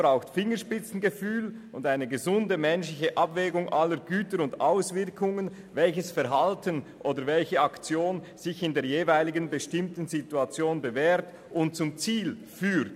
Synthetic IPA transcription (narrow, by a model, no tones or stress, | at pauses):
bʁaʊxtfɪŋəʃpɪt͡sn̩ɡəfyːl | ʊndaɪnəɡəzʊndəmɛnʃlɪçəʔabvɛːɡʊŋʔalːəɾɡyːtəɾʊndaʊsv̥ɪɾkʰʊŋən | vɛlçəsfɛɐɾɦaltənʔoːdəɾvɛlçəɑkt͡sjoːn | z̥ɪçɪndeːɐjeːvaɪlɪɡənbəʃtɪmtən̩zituat͡sjoːnbəvɛːɾt | ʊnt̚t͡sʊmt͡siːl | fyːɾt